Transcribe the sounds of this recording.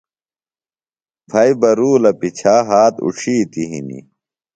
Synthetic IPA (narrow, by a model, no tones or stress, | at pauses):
pʰɐibɐɾuːlɐpit͡ɕʰaːɦaːt̪ṵʈ͡ʂʰiːt̪iɦḭnḭ